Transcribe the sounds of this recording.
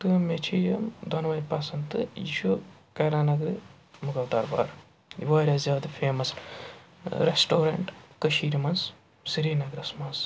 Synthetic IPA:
t̪ɨmet͡ʃʰijɐmd̪ʱɐnʋɐjpɐsɐnt̪ɨiʃokɐɾaːnɐɡɾɨ | mukɐːwd̪ɐɾba̰ːɾ | ḭʋaːɾʲaːzʲjaːd̪ɐpʰeːmɐs | ɾesʈoːɾɐɳʈkɐʃiːɾimɐns | siɾiːnɐɡɾɐsmɐns

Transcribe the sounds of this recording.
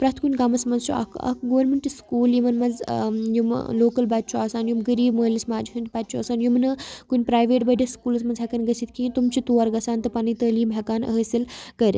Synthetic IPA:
pɾɐt̪ʰkunʲɡamɐsmɐnzt͡ʃʰṵɐ̰kʰɐ̰kɡoʋɐɾmeɳʈiskuːljimɐnmɐzjumloːkɐlbat̪̚t͡ʃʰuaːsaːnjumɡəɾiːbməːlːismaːd͡ʒiɦɐnʲt̪pat̪̚ʲt͡ʃʰuɐ̰ːsaːnjumnɨkunʲpɾaːjʋeːʈbɐɖʲɐskuːlɐsmɐnzʰakɐnɡɐsʰit̪kiːt̪umt͡ʃʰit̪uːɐɾɡɐsaːnt̪ɨpanit̪əːliːbʱʲakaːnə̰ɦəsilkəɾʲḭ

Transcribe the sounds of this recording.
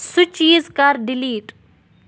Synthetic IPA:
sut͡ʃiːzkaɾɖɪliːʈ

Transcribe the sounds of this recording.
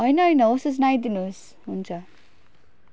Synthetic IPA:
ɦʌjnʌɦʌjnʌosʌt͡snajd̪inus | ɦunt͡sʰʌ

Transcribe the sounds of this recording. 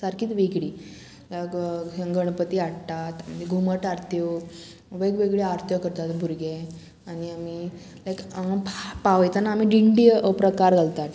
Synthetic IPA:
səɾkʰiːt̪ʋeɡɽiː | lakəɡəɳ̃pət̪iːaɽt̪at̪məd͡ʑeɡʱuməʈaɾt̪ʰjə | ʋeɡʋeɡɭeaɾt̪ʰjəkəɾt̪at̪bʱuɾɡe | añiami | lajkpapaʋəjt̪anaːm̤iːɖiɳɖipɾəkaɾɡalt̪at̪

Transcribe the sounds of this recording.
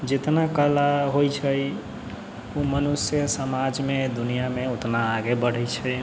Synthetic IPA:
d͡ʒet̪nakəlaɦojt͡ʃʰəj | umənusjəsəmad͡ʒmed̪unijameot̪naːɡebəɽ̤ɛjt͡ʃʰə

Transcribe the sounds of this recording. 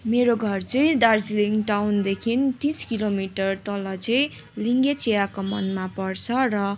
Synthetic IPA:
meɾoɡʱʌrt͡sʌĩd̪arsiliŋɡʈawnd̪ekʰint̪iskilomiʈʌrt̪ʌlʌt͡sʌĩ | liŋɡet͡sijakomʌnmapʌrt͡sʰʌrʌ

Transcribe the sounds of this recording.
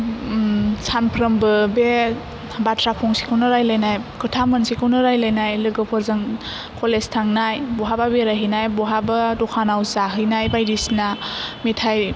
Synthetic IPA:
sanpʰɾəmbɯbe | batʰɾapʰɔŋsi̥kʰɯwnɯɾajlajnajkʰɯtʰamɯnsikʰɯwnɯɾajlajnajlɯɡɯpʰɯɾzɯŋ | kʰɔlestʰaŋnajbɔɦababeɾaɦijnajbɔɦabadɔkʰanawzaɦɯjnajbajdisnamitʰaj

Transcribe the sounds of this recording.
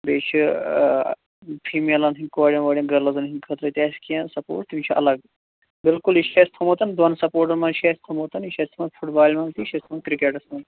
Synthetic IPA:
beːt͡ʃʰi | pʰiːmelɐnɦiŋkʋaːɽʲjɐnʋɐɖʲjɐnɡɐɾlɐzɐnɦiŋkʰɐt̪ɾɐt̪ʲeːskijɐ̃nsɐpo̰ːʈ̚t̪imt͡ʃʰiɐ̰lɐɡ | bɪlkuliʃest̪ʰɐmot̪ɐnd̪ɐnsɐpoːɾʈ̬ɐɾmɐnʃest̪ʰɐmoːt̪ɐniʃɐsʲt̪ʰmɐnfʰuʈbaːlʲmɐnt̪iʃɐst̪ʰmɐnkɾikeːʈɐsmɐn

